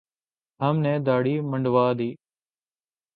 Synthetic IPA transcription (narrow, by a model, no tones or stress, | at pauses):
ɦəmnɛ̃ːd̪aːɽiːməɳɖʋaːd̪iː